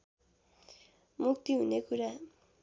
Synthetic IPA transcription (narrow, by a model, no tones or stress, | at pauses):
muk̚t̪iɦunekuɾa